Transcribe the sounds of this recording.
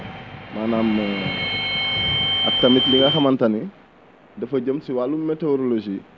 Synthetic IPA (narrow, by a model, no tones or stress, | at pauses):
maːnaːm | ɐ̰k̚tɐmitliŋɡaxɐmantɐni | dɐfɐɟəmsiwalumːeteoɾolod͡ʒi